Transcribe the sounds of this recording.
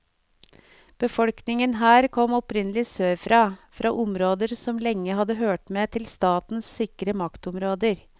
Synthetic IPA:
b̥əfɔlknɪŋənɦæːɾkʰɔmɔpɾɪnəlɪsøːfɾɑːfɾʔɑ̰ːʔʊmɾoːd̪əɾsɔmlɛŋːəhɑd̪əɦøːʈmeːt̪ʰɪlst̪ɑːt̪n̩ssɪkɾəmɑkt̪ɔmɾoːd̪əɾ

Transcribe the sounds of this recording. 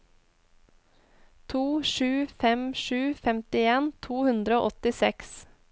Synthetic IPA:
t̪ʰuːʃʉːfɛmʃʉːfɛmt̪ɪeːnt̪ʰuːhʉnd̪ɾəo̰ːʔɔt̪ɪsɛks

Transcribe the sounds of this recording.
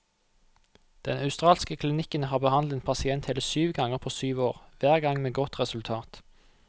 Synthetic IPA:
d̪̥ɛ̰nʔɑʉst̪ʁɑːlskəkʰlɪnɪkənhɑːbəhɑnd̪ɛnpʰɑsɪɛnt̪hɛːləsyːʋɡɑŋəʁpʰoːsyːʋoːʁʋæːʁɡɑŋmeːɡɔt̪ʁɛsʉlt̪ʰɑːt̪

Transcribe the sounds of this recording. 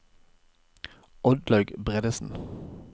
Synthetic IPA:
ɔd̪lɑɡbʁɛd̪əsn̩

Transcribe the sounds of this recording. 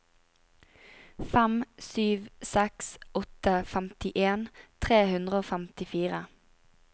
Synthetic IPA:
fæmsyːʋsɛksɔt̪əfæmt̪ɪʔeːnt̪ʰʁeːhʉnd̪ʁəoːfæmt̪ɪfiːʁə

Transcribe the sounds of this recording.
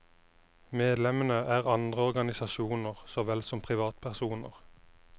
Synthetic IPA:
meːd̪lɛmənəʔæːʁɑnd̪ʁəɔʁɡɑnɪsɑʃuːnəʁsoːʋɛlsɔmpʰʁɪʋɑːt̪pʰæʁsuːnə̰ʁ

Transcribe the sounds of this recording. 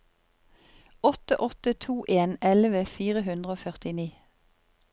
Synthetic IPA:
ɔt̪əʔɔt̪ət̪ʰuːʔeːnɛlʋəfiːʁəɦʉnd̪ʁəoːfœʁt̪ɪniː

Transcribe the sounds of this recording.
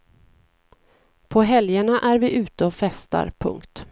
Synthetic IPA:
pʰɔɦɛljaɳaʔæɾvɪʔʉ̟ːt̪əɔfɛst̪a̰ɾpʰɵ̰ŋkt̪

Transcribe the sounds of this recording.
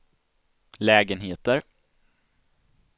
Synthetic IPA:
lɛːɡənɦeːt̪əɾ

